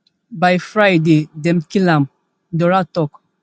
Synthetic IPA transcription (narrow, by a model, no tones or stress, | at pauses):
bajfɹajdedɛ̃mkilãm | dɔɾatɔk